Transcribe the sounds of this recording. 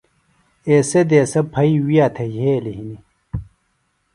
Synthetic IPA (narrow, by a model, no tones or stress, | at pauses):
eːsed̪eːsɐpʰɐiwijaːt̪ʰɐjeːliɦini